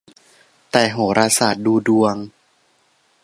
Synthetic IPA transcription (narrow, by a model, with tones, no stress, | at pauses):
t̪ɛː˨˧˩ɦoː˨˩˦ɾaː˧saː˨˩t̪̚duː˧du˧əŋ